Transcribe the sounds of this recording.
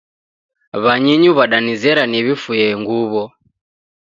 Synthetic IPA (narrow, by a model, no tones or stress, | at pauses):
βaɲɛɲuβaɗanizɛɾaniβifujɛŋɡuβɔ